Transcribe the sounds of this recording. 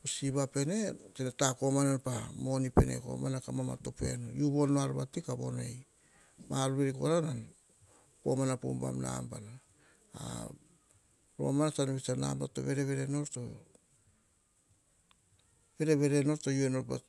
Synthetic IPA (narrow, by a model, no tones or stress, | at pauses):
osiβape̞ne̞tenetako̞mananpamo̞nipe̞̰ne̞̰ko̞̰manakamama̰to̞pe̞̰nojuβonːoaɾβatikaβo̞̰nḛj | maɾuβeɾiko̞̰ɾanan | po̞manapo̰mba̰mna̰mba̰na | a̰ | ɾo̞̰manasanoβisana̰mba̰to̞̰βe̞ɾe̞βe̞ɾe̞no̞ɾto | be̞ɾe̞βe̞ɾe̞no̞ɾtojueno̞ɾpa